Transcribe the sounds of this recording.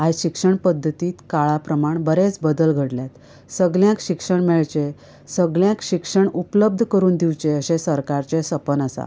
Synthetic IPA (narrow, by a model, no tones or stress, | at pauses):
ajɕikʂəɳpəd̪ʱːət̪iːt̪kaɭapɾəmaɳbəɾet͡sbəd̪əlɡʱəɽljat̪ | səɡljãkɕikʂəɳmɛɭt͡ɕe | səɡljãkɕikʂəɳupləb̚d̪ʱkəɾuːnd̪iwt͡ɕeəɕẽsəɾkaɾt͡ɕesəpənəsa̰